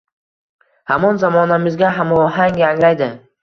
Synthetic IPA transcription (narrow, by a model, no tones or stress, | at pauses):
hamɒnzamɒnamɪzɡʲaɦamɦaŋjaŋɾajd̪ɪ